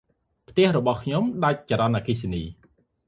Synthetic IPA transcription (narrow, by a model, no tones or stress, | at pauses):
pʰt̪ɛ̆əhrɔɓɑhkʰɲomɗac̚t͡ɕaɾɑnʔaːkiːseniː